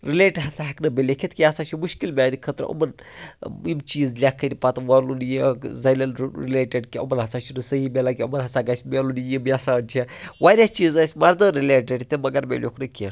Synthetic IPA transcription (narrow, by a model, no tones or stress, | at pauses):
ɾilʲeːʈɦɐt͡sʰaɦɐknɨmʲelʲekʲʰet̪kʲiɐt͡saʃimuʃkilmʲaːnikʰət̪ɾə̰ʔɐ̰mɐn | imt͡ʃiːzlʲakʰːɐnʲipat̪ʋalunjizɐjlʲɐnɾilʲeːʈeɖkʲiɐ̰mɐnɦɐt͡sʰat͡ʃʰinɨsəɦimʲelakʲiɐ̰mɐnɦɐt͡saɡɐsʲmʲelunjimiɐsaːnt͡ʃʰeʋaːɾʲat͡ʃiːzɐsʲmɐɾd̪ɐɾileːʈeɖt̪ʲemɐɡɐɾmʲḛlʔo̰knɨkʲe